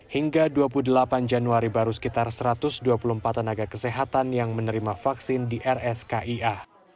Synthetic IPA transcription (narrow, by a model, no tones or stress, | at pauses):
hiŋɡaduapuludəlapand͡ʒanuaɾibaɾusə̥kit̪arsəɾat̪ʊsduapuluəmpat̪̚mənaɡakəseɦat̪anjaŋmənəɾimafaksɪndiʔɛrɛskaʔia